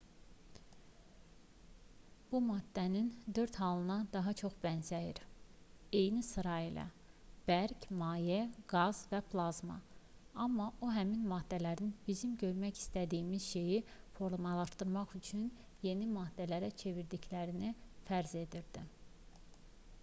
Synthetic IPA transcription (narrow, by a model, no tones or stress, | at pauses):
b̥umɑd̪ːænind̪ø̞ɾt̪hɑlˠɯnɑd̪ɑɦɑt͡ʃʰo̞χb̥ænzæjiɾ | e̞jnisɯɾɑilʔæ̰ | b̥æɾcmɑːjeɡɑz̥væpʰlˠɑzmɑ̰ɑmːɑʔoɦæminmɑːd̪ːælæɾinb̥izimɟø̞ɾmæçi̥st̪æd̪ijimizʃe̞jifo̞ɾlˠumɑlˠɑʃt̪ɯɾmɑχyt͡ʃʰyn | je̞nimɑːd̪̥ːælæɾæt͡ʃʰe̞viɾd̪iclæɾinifæɾze̞d̪iɾd̪̥i